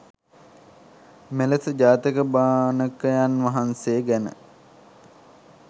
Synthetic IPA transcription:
meləsəd͡ʒaːt̪ikəbaːnəkəjanʋaɦanseːɡænə̰

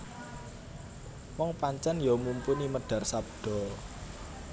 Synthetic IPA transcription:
wɔŋpaɲt͡ʃɛnjɔmumpuniməɖ̥ä̤rsab̚ɖ̥ɔ̤

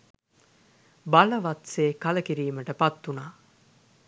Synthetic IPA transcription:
bɐlɐʋɐt̪seːkɐlɐkiɾiːməʈəpɐt̪ːunaː

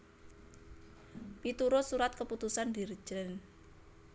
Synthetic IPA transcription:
pit̪uɾosuɾat̪̚kəput̪usand̪ir̥d͡ʒən

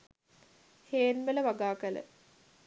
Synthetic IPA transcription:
heːnʋələʋaɡaːkələ̰

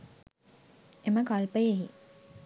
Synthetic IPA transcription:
eməkalpəjeɦḭ

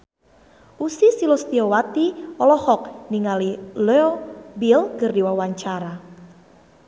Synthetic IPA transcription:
usisilɔst̪iɔwat̪iɔlɔhɔk̚niŋalileɔbilkərdiwawaɲt͡ʃaɾa

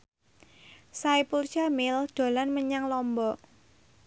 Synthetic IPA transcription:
saipult͡ʃamɪld̪̥o̤lanməɲaŋlɔmbɔ

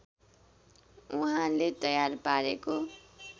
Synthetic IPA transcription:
uɦãlet̪ʌjarpaɾeko

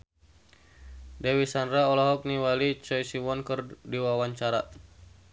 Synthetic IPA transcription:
dɛwisandraɔlɔɦɔk̚niwalit͡ʃɔjsiwɔnkɨrdiwawaɲt͡ʃaɾa

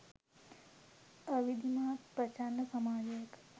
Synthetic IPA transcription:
əʋid̪imaːt̪pɾɐt͡ʃanːɐsɐmaːd͡ʒɐjək

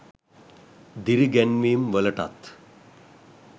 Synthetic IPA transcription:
d̪iɾiɡɛnʋiːmʋələʈa̰t̪

